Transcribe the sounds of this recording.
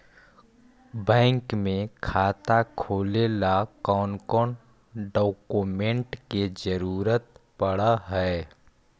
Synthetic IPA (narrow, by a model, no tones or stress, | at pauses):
bɛ̃ːŋkmẽkʰaːt̪akʰoːlelakɔːnkɔːn | ɖoːkumẽɳʈked͡ʒəɾuːɾət̪pəɽaɦɛː